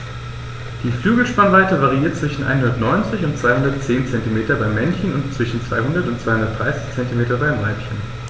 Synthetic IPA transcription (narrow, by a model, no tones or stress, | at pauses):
d̥iːflyːɡl̩ʃpanvaɪtəvaʁ̞iiːɐt̚t͡sv̥ɪʃn̩ʔa̰ɪnɦʊndɐtnɔʏnt͡sɪçʊntt͡sv̥aɪhʊndɐtt͡seːnt͡sɛntimeːtɐbaɪmɛnçənʊntt͡sv̥ɪʃn̩t͡sv̥aɪhʊndɐtʊntt͡sv̥aɪhʊndɐtd̥ʁaɪsɪ̥çt͡sɛntimeːtɐbaɪmvaɪpçən